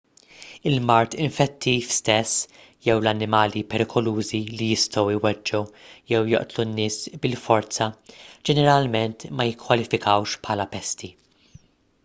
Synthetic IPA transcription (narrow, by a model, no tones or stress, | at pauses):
ɪlmɐɾt̪ɪɱfɛt̪ʰːiːfst̪ɛsː | jɛwlɐnːɪmɐːlipɛɾɪkʰɔluːzilijɪst̪ɔwɪwɛd͡ʒːujɛwjɔ̰ʔt̪lunːɪːsbɪlfɔɾt͡sɐd͡ʒɛnɛɾɐlmɛnt̪mɐjɪkːwɐlɪfɪkɐwʃpħɐːlɐpɛst̪i